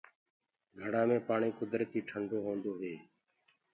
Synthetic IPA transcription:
ɡʱəɽãːmẽːpaːɳiːkʊd̪ɾət̪iːʈʰəɳɖoːɦõːnd̪oːɦeː

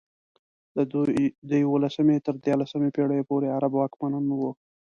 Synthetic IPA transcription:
d̪d̪əjawolasəmet̪əɾd̪jɑɾlasəmepeɽəjepoɾeaɾabwɑkmananwo

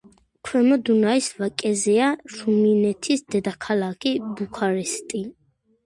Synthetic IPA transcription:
kʰwɛmɔd̪unaisvakʼɛzɛaʃuminɛt̪ʰisd̪̥ɛd̪akʰalakʰibukʰaɾist̪ʼi

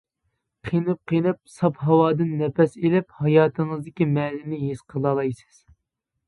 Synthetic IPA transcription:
qʰinɨp̚qʰinɨp̚sɑpɦɑwɑːd̪ɨnːɛpɛselɪphɑjɑːt̪ʰɨŋəzd̪ɪkʲimɛnɪnɪɦiz̥qʰəlˠɑlˠɑjsɨ̥z̥

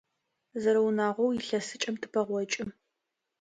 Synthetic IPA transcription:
zɐɾɐwnaːʁʷɔwjɪɬɐsɨt͡ʃʼɐmtʰɨpʰɐʁʷɔt͡ʃʼɪm

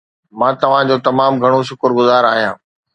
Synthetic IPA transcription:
mãːt̪ɐʋ̤ãd͡ʑoːt̪ɐmaːmɡʱɐɽ̃oʃ̬ʊkəɾɡʊzaːɾaːɦijãː

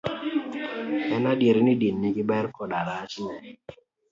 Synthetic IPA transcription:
ɛnadjeɾinidinːikɪbɛɾkɔdaɾaːt͡ʃɪ

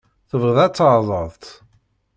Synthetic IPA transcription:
θəvʁəðæt͡sːəʕðˤəðˤt̪

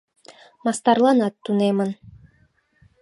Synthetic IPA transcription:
mɑst̪ɑɾlˠɑnɑt̪ːunemɤ̆n

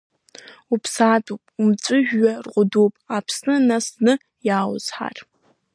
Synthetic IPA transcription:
upʰsaːtʼupʼumt͡ʃʷʼɨʒᶣɥarqʷʊdopʼapʰsnɨnasnɨ | jaːw̰z̥ħa̰rʼ

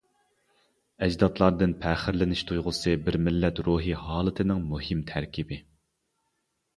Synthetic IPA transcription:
ɛd͡ʒd̪ɑt̪lˠɑɾd̪ɨnpʰæːχɪɾlɪnɪʃt̪ʰujʁʊsɨbɪɾmɪlːɛt̪ɾuɦiɦɑːlˠɨt̪ʰɨnɪŋmuhɪmt̪ʰæɾkʲʰibɪ

